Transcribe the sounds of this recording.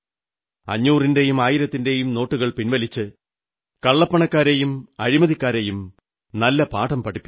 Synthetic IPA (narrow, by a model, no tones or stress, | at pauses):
ɐ̰ɲːuːrinde̞jumaːjiɾɐt̪ːinde̞jumno̞ːʈːuɣɐɭpinʋɐlit͡ɕːɨ | kɐɭːɐpːɐɳɐkːaːɾejumɐɻimɐðikʲːaːɾejum | nɐlːɐpaːʈɐmpɐʈʰːipːi